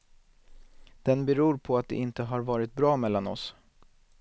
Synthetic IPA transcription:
d̪̥ɛnbɛɾuːɾpʰɔat̪̚d̪ɛ̰ɪnt̪əɦaɾvɑːɾɪt̪̚bɾɑːmɛlːanɔ̰s

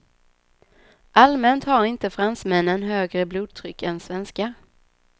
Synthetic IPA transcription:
ʔalmɛnt̪haɾɪnt̪əfɾansmɛnːənɦøːɡɾəbluːd̪̚t̪ʰɾʏkːɛnsvɛnska

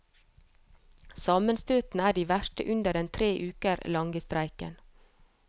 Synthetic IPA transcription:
sɑːmənst̪øːt̪n̩æːɖiːʋæʃʈə̰ʔʉnd̪əɖɛnt̪ʰɾeːʔʉːkəɾlɑŋɡəst̪ɾæɪkə̰n

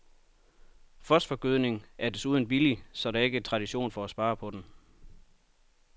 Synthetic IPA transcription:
fɒsd̥fɒ̽ɡ̥yðˠne̝ŋæɐd̥esuːð̞ˠn̩b̥ilisɒ̽ɾɑ̈e̝ɡ̥ət͡sʰʁɑ̈ɾ̥iɕo̝̰ːnfɒæsb̥ɑ̈ːpʰɒ̽d̥em

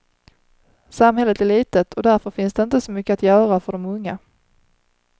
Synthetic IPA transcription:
samɦɛlːət̪æɭiːt̪ət̪ʰɔd̪æɾfœɾfɪnsd̪ɛɪnt̪əsɔmʏkːəat̪jœːɾafœɖɔmɵŋːa

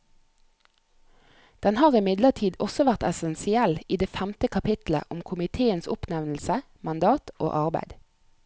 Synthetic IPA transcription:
d̪̥ɛnhɑːʁɪmɪd̪lət̪ʰiːd̪ɔsɔʋæʁt̪ɛsɛnsɪɛliːd̪eːfæmt̪əkʰɑpʰɪt̪l̩ə̰ʔʊmkʰʊmɪt̪ʰeːənsʊ̰pnɛʋnl̩sə | mɑnd̪ɑːt̪ʔo̰ːʔɑʁbæ̰ɪd̪

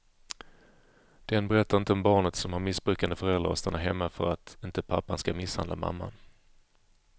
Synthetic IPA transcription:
d̪̥ɛnbɛɾɛt̪ʰːaɾɪnt̪əɔmbɑːɳət̪sɔmhaɾmɪsbɾʉ̟ːkand̪əfœɾɛld̪ɾa̰ɾɔ̰st̪anːaɦɛmːafœɾat̪ɪnt̪əpʰapːanskamɪsha̰nla̰ma̰mːa̰n

